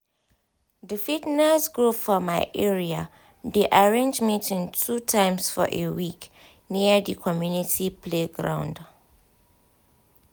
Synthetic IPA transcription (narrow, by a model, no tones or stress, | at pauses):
difitnɛsɡɹufɔmaɪʔɛɹia | deʔaɹẽnd͡ʒmitĩntʰutʰãɪ̃msfɔ̰ʔewik | niədikʰɔmjunitʰipʰleɡɹã̰ʊ̃nd